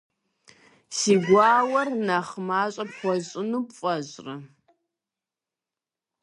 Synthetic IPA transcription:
siːɡʷaːwɐrnaχmaːɕʼɐpχʷɔɕʼɪnuːpfʼɐɕʼrɐ

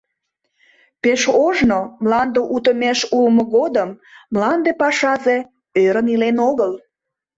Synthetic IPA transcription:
peʃoʒnomlɑnd̪əʔut̪əmeʃulmoɣod̪əmːlɑnd̪epɑʃɑze | øɾənilenoɣəl

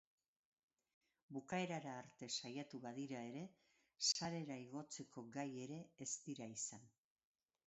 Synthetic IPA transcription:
bukae̞ɾaɾaːɾt̪e̞sajat̪uβaðiɾae̞ɾe̞ | saɾe̞ɾaiɣo̞t͡se̞ko̞ɡaje̞ɾe̞est̪iɾaisan

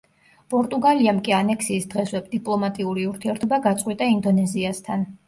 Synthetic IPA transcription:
pʼɔɾt̪ʼuɡaliamkʼianɛksiːsd̪ʁɛswɛbd̪̥ipʼlˠɔmat̪ʼiuɾiuɾt̪ʰiɛɾt̪ʰɔbaɡat̪sʼwit̪ʼaind̪ɔnɛziast̪ʰan

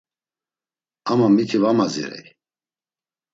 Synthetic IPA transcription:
amamit̪ʰivamazḭɾɛ̰j

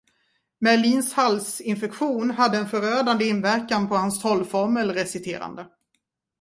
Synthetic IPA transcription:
mæɭiːnshalsɪnfɛkɧuːnɦad̪ːəɛnfœɾøːd̪and̪əɪnvæɾkanpʰɔhanst̪ʰɔlːfɔɾməlɾɛsɪt̪ʰḛːɾa̰nd̪ə

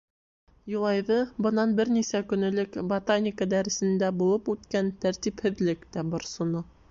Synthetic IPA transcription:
julˠɑjvɤbɤ̆nɑnbɘɾnisækɵ̆nɘ̆lɘkbɐt̪anʲikəd̪æɾɘ̆sɘ̆nd̪æbulˠɤpʉt̪kænt̪æɾt̪iphɘ̆ðlɘkt̪æbɑɾsŏno

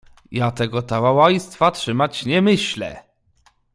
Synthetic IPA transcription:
jat̪ɛɡɔt̪awawajst̪fatʂɘmat͡ɕɲɛmɘɕlɛ̰

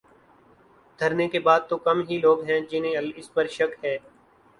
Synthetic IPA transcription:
d̪ʱəɾnekebaːd̪̚t̪okɐmɦiloːɡɦɛ̃d͡ʒɪnẽːɐlɪspəɾʃɐkɦɛː

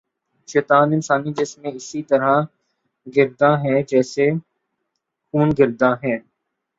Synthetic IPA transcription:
ʃɛːt̪aːnɪnsaːnid͡ʒɪsmẽɪsit̪ɐɾã | ɡɪɾd̪ãɦɛ̃d͡ʒɛːse | xuːnɡɪɾd̪ãɦɛ̃ː

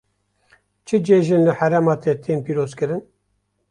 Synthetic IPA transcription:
t͡ʃʰɨd͡ʒeːʒɨnlɨhæɾɛmɑːt̪ʰet̪ʰeːmpiːɾoːzkɨɾɨn

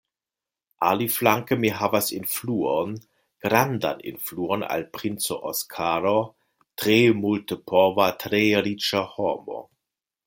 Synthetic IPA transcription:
ʔaliflaŋkəmiɦavasɪnfluːon | ɡ̥ɾanda̰nɪ̰nfluːona̰lpʁ̥ɪnt͡soʔɔskʰaːɾo | tʁeːmultəpʰɔvatʁeːɾit͡ʃahɔːmo̰

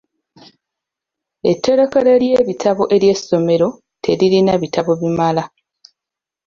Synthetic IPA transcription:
etːe̞ɾokele̞ljeːβitʰaβoʔe̞ɾje̞sːo̞me̞ɾo̞ | tʰe̞ɾiɾinaβitʰaβo̞βimala

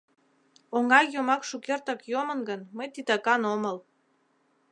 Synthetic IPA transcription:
oŋɡɑkjomɑkʃukert̪ɑkjomənɡənməjt̪it̪ɑkɑnoməl

